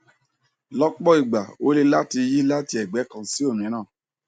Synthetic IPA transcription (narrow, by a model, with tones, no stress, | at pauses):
lɔ˦k͡pɔ˦i˦˨ɡ͡ba˨o˦le˦˧la˦ti˧ji˦la˦ti˧˦ɛ˨ɡ͡bɛ˨˦kã˧si˦o˦˨mĩ˨˦ñã˦˨